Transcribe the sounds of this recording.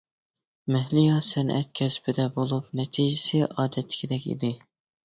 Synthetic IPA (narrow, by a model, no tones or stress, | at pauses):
mæhlijɑsɛnʔɛ̰t̪̚kʲʰɛspɪd̪ɛbolˠup̚nɛt̪ʰid͡ʒɪsɪʔɑːd̪ɛt̪ʰːɪ̥kʲʰid̪ɛkʲḭd̪ɪ